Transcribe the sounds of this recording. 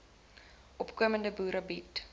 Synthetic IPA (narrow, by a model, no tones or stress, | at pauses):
ʔɔpkuəməndəbuːɾɐbit